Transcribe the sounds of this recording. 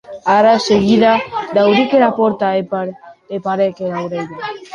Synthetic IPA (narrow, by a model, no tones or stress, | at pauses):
aɾaseɣiðad̪awɾikeɾapoɾt̪aepaɾepaɾekeðawɾejðe